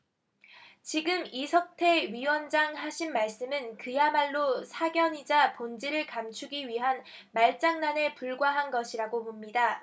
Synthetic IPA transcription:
t͡ɕiɡɯmisʰʌk̚tʰe̞ɥiwʌnd͡ʑaŋɦaɕʰinmaɭs͈ɯmɯnkɯjamaɭːosʰaɡjʌɲid͡ʑapond͡ʑiɾɯɭkamt͡ɕʰuɡiɥiɦan | maɭt͡ɕ͈aŋnane̞puɭɡwaɦanɡʌɕʰiɾaɡopomɲida

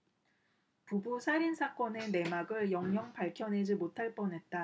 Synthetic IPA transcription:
pubusʰaɾinsʰak͈ʌne̞ne̞maɡɯɭjʌŋɲʌŋpaɭkʰjʌnɦe̞d͡ʑimotʰaɭp͈ʌnɦe̞t̚t͈a

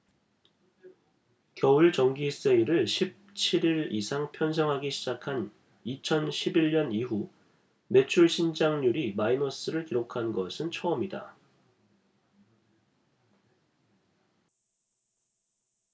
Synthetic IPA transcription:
kjʌuɭt͡ɕʌŋɡis͈eiɾɯɭɕʰip̚t͡ɕʰiɾiɾisʰaŋpʰjʌns̬ʰʌŋɦaɡiɕʰid͡ʑakʰan | it͡ɕʰʌnɕʰibiɭɲʌniɦu | me̞t͡ɕʰuɭɕʰind͡ʑaŋɲuɾimainʌs͈ɯɾɯɭkiɾokʰanɡʌsʰɯnt͡ɕʰʌʌmida̰

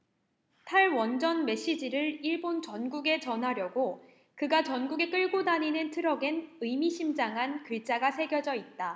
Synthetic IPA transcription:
tʰaɭwʌnd͡ʑʌnme̞ɕ͈id͡ʑiɾɯɭiɭbont͡ɕʌnɡuɡe̞t͡ɕʌnɦaɾjʌɡo | kɯɡat͡ɕʌnɡuɡe̞k͈ɯɭɡodaɲinɯntʰɯɾʌɡenɯjmiɕʰimd͡ʑaŋɦankɯɭt͡ɕ͈aɡasʰe̞ɡjʌd͡ʑʌit̚t͈a

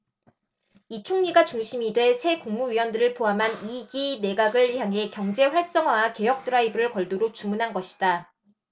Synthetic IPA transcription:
it͡ɕʰoŋɲiɡat͡ɕuŋɕʰimidwe̞sʰe̞kuŋmuɥiwʌndɯɾɯɭpoɦamɦaniɡine̞ɡaɡɯɭçjaŋɦe̞kjʌŋd͡ʑe̞ɸwaɭs͈ʌŋwake̞jʌk̚t͈ɯɾaibɯɾɯɭkʌɭdoɾot͡ɕumunɦanɡʌɕʰi̥d̥a

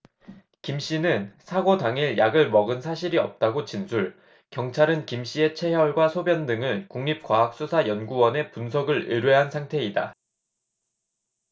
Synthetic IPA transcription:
kimɕ͈inɯnsʰaɡodaŋiɭjaɡɯɭmʌɡɯnsʰaɕʰiɾiʌp̚t͈aɡot͡ɕinsʰuɭ | kjʌŋt͡ɕʰaɾɯnkimɕ͈ie̞t͡ɕʰe̞ɦʌɭɡwasʰobjʌndɯŋɯnkuŋɲip̚k͈waɦak̚s͈usʰajʌnɡuwʌne̞punsʰʌɡɯɾɯɾweɦansʰaŋtʰe̞ida̰

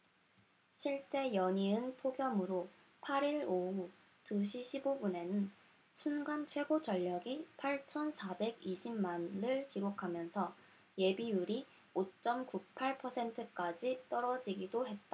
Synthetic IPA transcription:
ɕʰiɭt͡ɕ͈e̞jʌɲiɯnpʰoɡjʌmɯɾo | pʰaɾiɾou | tuɕʰiɕʰibobune̞nɯn | sʰunɡant͡ɕʰwe̞ɡot͡ɕʌʎːʌɡipʰaɭt͡ɕʰʌnsʰabe̞ɡiɕʰimmanɯɭkiɾokʰamjʌnsʰʌ | je̞bijuɾi | ot͡ɕ͈ʌmkupʰaɭpʰʌsʰe̞ntʰɯk͈ad͡ʑit͈ʌɾʌd͡ʑiɡidoɦe̞t̚t͈a

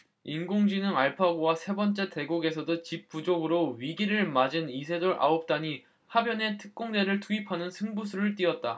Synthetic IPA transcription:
inɡoŋd͡ʑinɯŋaɭpʰaɡowasʰe̞bʌnt͡ɕ͈e̞te̞ɡuɡe̞sʰʌdot͡ɕip̚p͈ud͡ʑoɡɯɾoɥiɡiɾɯɭmad͡ʑinisʰe̞doɾʔa̰op̚t͈aɲi | habjʌne̞tʰɯ̥k̚k͈oŋde̞ɾɯɭtuipʰanɯnsʰɯŋbusʰuɾɯɭt͈iʌt̚t͈a

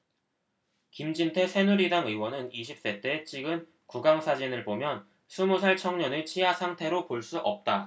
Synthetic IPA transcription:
kimd͡ʑintʰe̞sʰe̞nuɾidaŋɯwʌnɯniɕʰip̚s͈e̞t͈e̞t͡ɕ͈iɡɯn | kuɡaŋsʰad͡ʑinɯɭbomjʌn | sʰumosʰaɭt͡ɕʰʌŋɲʌnɯt͡ɕʰiɦasʰaŋtʰe̞ɾopoɭs͈uʔʌp̚t͈a

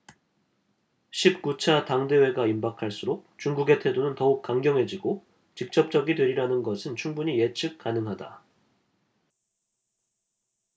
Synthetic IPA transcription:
ɕʰip̚k͈ut͡ɕʰataŋde̞we̞ɡaimbakʰaɭs͈uɾok̚t͡ɕuŋɡuɡe̞tʰe̞donɯntʌuk̚k͈aŋɡjʌŋɦe̞d͡ʑiɡo | t͡ɕik̚t͡ɕ͈ʌp̚t͡ɕ͈ʌɡidwe̞ɾiɾanɯnɡʌsʰɯnt͡ɕʰuŋbuɲije̞t͡ɕʰɯk̚k͈ːanɯŋɦada

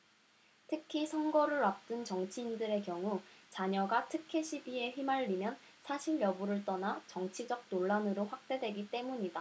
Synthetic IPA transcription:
tʰɯkʰisʰʌŋɡʌɾɯɭap̚t͈ɯnt͡ɕʌŋt͡ɕʰiːndɯɾe̞kjʌŋut͡ɕaɲʌɡatʰɯkʰe̞ɕʰibie̞ɸimaɭːimjʌn | sʰaɕʰiɭjʌbuɾɯɭt͈ʌnat͡ɕʌŋt͡ɕʰid͡ʑʌk̚noɭːanɯɾoɸwak̚t͈e̞dwe̞ɡit͈e̞muɲida

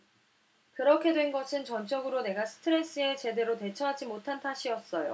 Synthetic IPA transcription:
kɯɾʌkʰe̞dwe̞nɡʌsʰɯnt͡ɕʌnt͡ɕ͈ʌɡɯɾone̞ɡasʰɯ̥tʰɯɾe̞s͈ɯe̞t͡ɕe̞de̞ɾote̞t͡ɕʰʌɦad͡ʑimotʰantʰaɕʰiʌs͈ʌjo̰

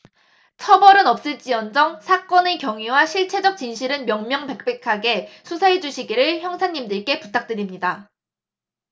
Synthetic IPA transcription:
t͡ɕʰʌbʌɾɯnʌp̚s͈ɯɭt͡ɕ͈iʌnd͡ʑʌŋsʰak͈ʌnekjʌŋiwaɕʰiɭt͡ɕʰe̞d͡ʑʌk̚t͡ɕ͈inɕʰiɾɯnmjʌŋmjʌŋpe̞k̚p͈e̞kʰaɡe̞sʰusʰaɦe̞d͡ʑuɕʰiɡiɾɯɭçjʌŋsʰaɲːimdɯɭk͈e̞putʰak̚t͈weɾimɲida

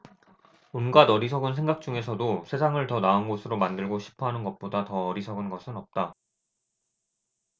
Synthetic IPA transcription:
unɡadʌɾis̬ʰʌɡɯnsʰe̞ŋɡak̚t͡ɕ͈uŋe̞sʰʌdosʰesʰaŋɯɭtʌnaɯnɡosʰɯɾomandɯɭɡoɕʰi̥pʰʌɦanɯnɡʌt̚p͈odatʌːɾisʰʌɡɯnɡʌsʰɯnʌp̚t͈a

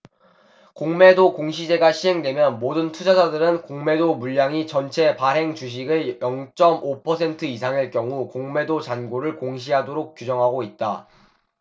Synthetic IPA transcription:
koŋme̞dokoŋɕʰid͡ʑe̞ɡaɕʰiɦe̞ŋdwe̞mjʌnmodɯntʰud͡ʑasadɯɾɯnkoŋme̞domuʎːjaŋit͡ɕʌnt͡ɕʰe̞paɾɦe̞ŋt͡ɕuɕ̬ʰiɡɯɭjʌŋt͡ɕ͈ʌmopʰʌsʰe̞ntʰɯisʰaŋeɭk͈jʌŋukoŋme̞dot͡ɕanɡoɾɯɭkoŋɕ̬ʰiɦadoɾok̚k͈jud͡ʑʌŋɦaɡoit̚t͈a

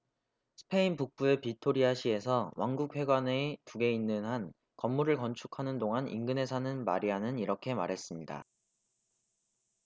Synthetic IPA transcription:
sʰɯ̥pʰe̞inpuk̚p͈ue̞pitʰoɾiaɕʰie̞sʰʌwanɡuk̚ɸwe̞ɡwanetuɡe̞inːɯnɦan | kʌmːuɾɯɭkʌnt͡ɕʰu̥kʰanɯndoŋanʔḭŋɡɯnɦe̞sʰanɯnma̰ɾiɦanɯniɾʌkʰe̞ma̰ɾɦe̞s͈ɯmɲida̰

